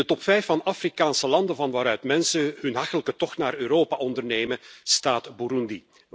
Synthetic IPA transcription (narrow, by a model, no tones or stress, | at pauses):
ətɔpfɛjfɑnafrikaːnsəlɑndənvɑnʋaːɾœɥtmɛnsəɦɵnɦɑxtələkətɔxtnaːɾøːɾoːpaʔɔndərneːjməstaːtbuɾundi